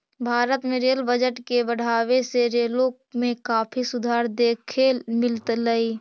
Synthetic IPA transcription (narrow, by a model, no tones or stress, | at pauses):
bʱaːɾət̪mẽɾeːlbəd͡ʒəʈkebəɽ̤aːʋeseɾeːlo | mẽkaːpʰisʊd̪ʱaːɾd̪eːkʰemɪlt̪ləi